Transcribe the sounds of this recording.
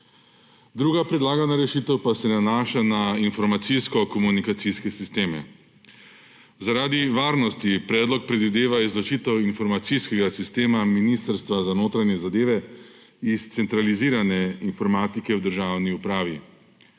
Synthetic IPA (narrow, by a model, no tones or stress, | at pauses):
d̪ɾuːɡapɾɛd̪laːɡanaɾɛʃit̪ɛwpasɛnanaːʃanainfɔɾmat̪siskɔkɔmunikat̪siskɛsist̪eːmɛ̰ | zaɾaːd̪iʋaːɾnɔst̪ipɾɛːd̪lɔk̚pɾɛd̪ʋid̪eːʋaizlɔt͡ʃiːt̪ɛwinfɔɾmat̪siskɛɡasist̪eːmaminist̪əɾst̪ʋazanoːt̪ɾanjɛzad̪eːʋɛ | ist̪sɛnt̪ɾaliziːɾanɛinfɔɾmaːt̪ikɛwd̪əɾʒaːwniupɾaːʋi